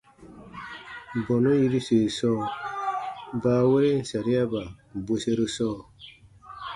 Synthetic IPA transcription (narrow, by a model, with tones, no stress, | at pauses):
bɔ˨no˦ji˦ɾi˦se˨sɔː˦˨ | baː˨˦˨we˦ɾe˦n̩˨sa˨ɾi˦a˦ba˨bo˨se˦ɾo˦sɔː˦˨